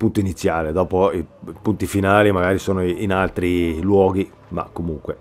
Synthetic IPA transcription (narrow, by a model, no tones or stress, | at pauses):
punt̪oinit̪sːjaːled̪ɔːpoipunt̪ifinaːlimaɡaːɾisɔːnoinalt̪ɾilwɔːɡi | ma̰kːomuŋkwe